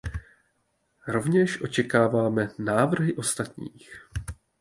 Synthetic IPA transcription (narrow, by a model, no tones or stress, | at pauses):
ɾo̞vɲɛʃʔo̞t͡ʃɛkaːvaːmɛnaːvr̩ɦɪʔo̞st̪at̪ɲḭːx